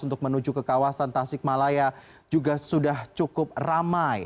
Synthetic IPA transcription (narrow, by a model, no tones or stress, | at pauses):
unt̪ʊk̚mənud͡ʒukəkawasant̪asɪk̚malaja | d͡ʒuɡasudaht͡ʃukʊp̚ramaj